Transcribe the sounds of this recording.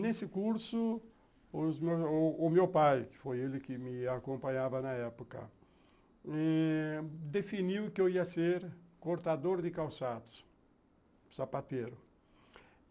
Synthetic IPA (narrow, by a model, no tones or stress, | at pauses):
nesɪkuɾsʊ | ʊzmewsːmewpajkɪ̥fojelɪkɪmɪakõmpãɲavɐnɐɛpokɐ̰ | ɛ | d̪efiniwkɪewiɐseɾkoɾt̪ad̪oɾd̪ɪkawsad̪ʊ̥s | sapat̪eɾʊ